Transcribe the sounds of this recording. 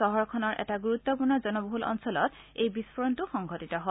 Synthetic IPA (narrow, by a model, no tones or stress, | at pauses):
ɔɦɔɹkʰɔnɔɹʔɛ̰taɡuɹutːɔpuɹnɔzɔnɔboɦulɔ̰nsɔlɔt | ejbispʰɔɹɔntuxɔŋɡʱɔtitɔɦɔ